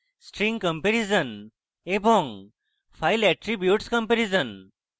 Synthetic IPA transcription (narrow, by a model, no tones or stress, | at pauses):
sʈɾĩŋɡkə̃mpeɾizən | ebɔŋ | pʰailɛʈɾibjuʈskə̃mpeɾizən